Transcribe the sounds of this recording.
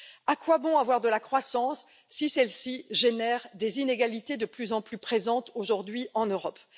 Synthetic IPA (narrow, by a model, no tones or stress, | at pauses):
akwabɔ̃avwaʁd̪əlakχwasɑ̃sː | isɛlsiʒenɛʁd̪ezineɡalit̪ed̪əplyzɑ̃plypχezɑ̃t̪oʒuʁd̪ɥiʔɑ̃nøʁɔp